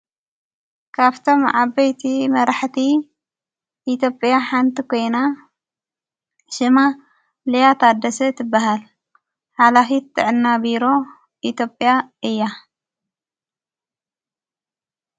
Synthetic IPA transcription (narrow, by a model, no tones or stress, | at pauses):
kʰaβt̪ʰo̞mʕaβɐjt̪ʰimɐɾaħt̪ʰi | ʔit̪ʰjo̞pʼjaħant̪ʰikʰo̞jna | ʃɨma | lɐjat̪ʰad̪ːɐsɐt̪ʰɨbːaɦal | ħalafit̪ːɨʕɨnːabiɾo̞ | ʔit̪ʰjo̞pʼːjaɨjːa